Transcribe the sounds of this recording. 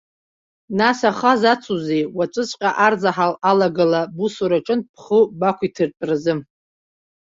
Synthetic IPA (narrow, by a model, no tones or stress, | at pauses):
nasaχazat͡sʷʰuzejwat͡ʃʷʼɨt͡sʷʼqʲʼaʔard͡zaħalalaɡalabusuɾaʈ͡ʂʼɨnpʰχəbakʷʰitʰɨrpʼrɨzɨm